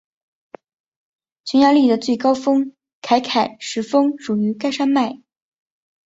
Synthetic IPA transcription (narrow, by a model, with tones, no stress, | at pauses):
t͡ɕʰɛ˧˥nja˧li˥˩d̪ə˩t͡swe˥˩ɪkɑ˥ʊfɤ˥ŋ | kʰa˧˥ɪkʰa˨˩ɪʂɻ̩˧˥fɤ˥ŋʂu˨˩y˧˥ka˥ɪʂa˥nma˥˩ɪ